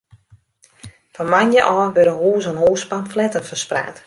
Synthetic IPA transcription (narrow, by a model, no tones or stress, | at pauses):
fɔnmanjəʔɔːʋøɾəɦuːzənɦoːspamflɛtənfəspra̰ːt